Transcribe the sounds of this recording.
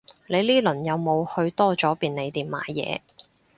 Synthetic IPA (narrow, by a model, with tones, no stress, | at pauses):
le˨˧jliː˥lɵ˨˩njɐ˨˧wmo˨˧whɵ˧ɥt̪ɔː˥t͡sɔː˨˥piː˨nne˨˧jt̪iː˨˩mma̰ː˨˥jɛ̰ː˨˧